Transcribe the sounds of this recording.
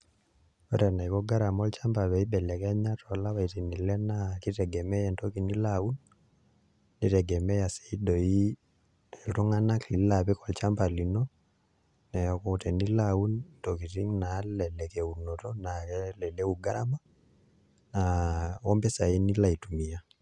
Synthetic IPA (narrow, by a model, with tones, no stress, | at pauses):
ɔ˦ɾɛna˨i˨kɔ˦ɡa˦ɾamɔ˦lt͡ʃamba˨βɛ˨i˦ɓɛ˨lɛ˨kɛ˦ɲa˦tʰɔla˦wa˨i˨ti˨ni˨lɛ˦naki˦tɛ˨ɡɛmɛ˦jɛnto˦ki˨ni˦lau˦n | i˦tɛ˨ɡɛ˨mɛ˦ja˨sɛ̥i˦dɔ˨i˦ | ɛltu˦ŋa˦na˦kli˨lapɛ˦kɔ˨lt͡ʃamba˨li˨nɔ | nɛɔ˨kɔtɛ˨ni˦lau˦ntoki˨ti˦ŋna˦lɛlɛkɛu˨nɔ˨tɔnaɛlɛ˨lɛ˦uɡa˦ɾama˦ | naɔmbɛ˦sa˨i˦ni˦la˨i˨tu˨mi˨ja˦